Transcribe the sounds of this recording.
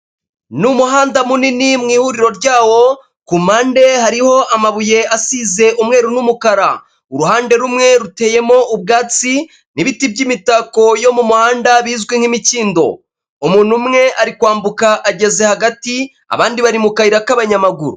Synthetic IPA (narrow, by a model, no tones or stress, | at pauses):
numuɦaːndamuninimŋiːhuɾiɾo̞ɾɟaːwo̞ | kumaːnde̞haɾiho̞ʔamaβuje̞asiːze̞ʔumŋe̞ːɾunumukaɾa | uɾuɦaːnde̞ɾumŋe̞ɾute̞ːje̞mo̞ʔubɡaːt͡si | niβitibɟimitaːko̞jo̞mumuhaːndaβiːzɡweŋ̥himiciːndo̞̰ | umuːn̥humŋe̞ʔaɾikwaːmbukaʔaɟe̞ze̞haɡati | a̰βaːndiβaɾimukaiɾakaβaɲamaɡuɾu